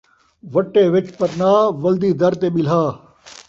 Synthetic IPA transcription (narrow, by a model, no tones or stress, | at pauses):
ʋɐʈːeːʋɪt͡ʃpɐɾnaːʋɐld̪iːd̪ɐɾt̪eːɓɪl̤aː